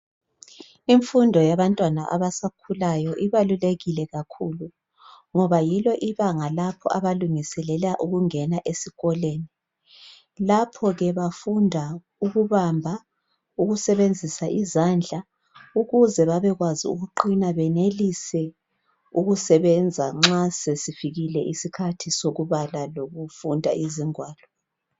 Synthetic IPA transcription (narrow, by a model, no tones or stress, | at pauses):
iɱfundʱɔjaβantʼwanaʔa̰βasakʰulajɔʔiβaluleɣilɛɣakʰulu | ŋɔβajilɔʔiβaŋalapʰɔ̰ʔaβaluŋisɛlɛlaʔuɣuŋɛnaʔesiɣɔleːni | lapʰɔɣɛβafundʱa | uɣuβambʱa | uɣusɛβend͡zʱisaʔizand͡ɮʱa | uɣuzɛβaβɛɣwazḭṵɣuǃinaβɛnelisɛ | uɣusɛβɛnd͡zʱaŋ͡ǁasesifiɣilɛʔisikʰatʰisoɣuβalaloɣufundʱa̰ʔiziŋwaːlɔ